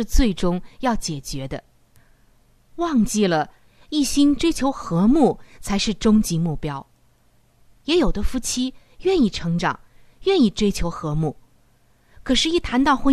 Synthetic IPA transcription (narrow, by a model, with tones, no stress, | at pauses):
ɻ̩˥˧t͡swe˥˩ɪʈ͡ʂʊ˥ŋjɑ˥˩ʊt͡ɕjɛ˨˩t͡ɕɥɛ˧˥d̪ə˧ | wɑ˥˧ŋt͡ɕi˥˩lə˩ | i˥˩ɕi˥nʈ͡ʂwe˥ɪt͡ɕʰjo˧˥ʊxɤ˧˥mu˥˩t͡sʰa˧˥ɪʂɻ̩˥˩ʈ͡ʂʊ˥ŋt͡ɕi˧˥mu˥˩pjɑ˥ʊ | jɛ˧˥jo˨˩d̪ə˦fu˥˩t͡ɕʰi˥ | ɥɛ˥˧ni˥˩ʈ͡ʂʰɤ˧˥ŋʈ͡ʂɑ̰˨˩˦ŋ | ɥɛ˥˧ni˥˩ʈ͡ʂwe˥ɪt͡ɕʰjo˧˥ʊxɤ˧˥mu˥˩ | kʰɤ˨˩ʂɻ̩˥˧i˥˩t̪ʰa˧˥nt̪ɑ˥˩ʊxwə˥